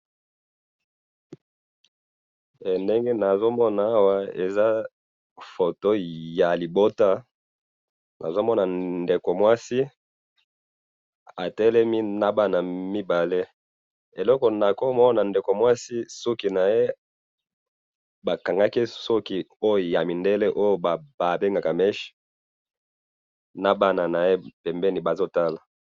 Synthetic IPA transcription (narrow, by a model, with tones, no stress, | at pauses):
e˨nde˦ŋɡe˦na˨zo˦mɔ˦naː˨˦wa˦ḛ˨za˦ | fo˨to˦ja˨li˨bo˦ta˦ | na̰˨zo˦mɔ˦na˨nde˨ko˨mwa˦si˦ | a˨tɛ˦lɛ˦mi˦na˦ba˦na˨mi˦ba˨le˦ | e˨lɔ˦kɔ˨na˨ko˦mɔ˦na˨nde˨ko˨mwa˦si˦so˦ki˨na˨je˦ | ba˨ka˨ŋɡa˦ki˦so˦ki˦o˦jja˨mi˨nde˦le˦ʔo˦jo˨ba˨ba˨be˦ŋɡa˨ka˨mɛ˦ʃi̥˦ | na˦ba˦na˨na˨je˦pɛ˨mbɛ˦ni˨ba˨zo˦ta˦la˨